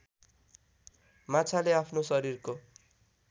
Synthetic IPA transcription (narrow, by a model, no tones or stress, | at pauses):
mat͡sʰaleapʰnosʌɾirko